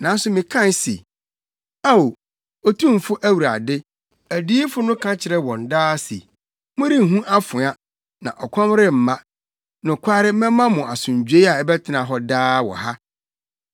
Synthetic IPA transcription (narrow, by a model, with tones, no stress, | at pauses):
nã˨˦n˦sʊ˦mɪ̃˨kʰã˦˨n˦sḛ˨ | a˦wo˨ | ɔ˦tʰũ˦m̩˨fʊ˦ʔæ˦wu˨ɾa̰˨dɪ˦ | æ˨di˦i˦fʊ˦nʊ̃˦kʰã˦t͡ɕʰɪ˨ɾɛ˦wɔ̃˨n˨daː˦sḛ˨ | mʊ̃˦ɾi˦˨ɦũ˦ʔa˦fʊ˨a˦ | nã̰˨ʔɔ˨kʷʰɔ̃˦m˦ɾɪ˦m̩˨mã˦ | nʊ̃˨kʷʰaː˦ɾɪ˦mɛ̃˦mã˦mʊ̃˨ʔa˨sʊ̃˨ɲ˨d͡ʑᶣe˦a˨ɛ˦bɛ˦tʰɪ˦nã˨ɦɔ˦daː˦wɔ̰˨ɦa˦